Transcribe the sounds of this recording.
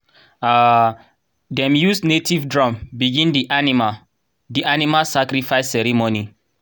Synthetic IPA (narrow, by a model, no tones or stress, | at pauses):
a | dɛ̃mjusnetivdɹɔ̃mbiɡĩndiʔanima | diʔanimasakɾifaɪsːɛɾimoni